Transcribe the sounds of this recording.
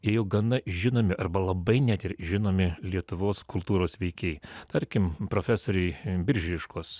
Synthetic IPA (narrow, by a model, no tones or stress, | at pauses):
jɛjɛʊɡɐnɐʒʲɪnoːmʲɪʔɐɾbɐlˠɐbɐɪnʲæt̪ʲɪɾʒʲɪnoːmʲɪlʲiɛt̪ʊʋoːskʊlˠt̪uːɾoːsʋʲɛɪkʲeɪt̪ɐɾʲkʲɪmpɾoːfʲæsoːɾʲɛɪbʲɪɾʲʒʲɪʃkoːs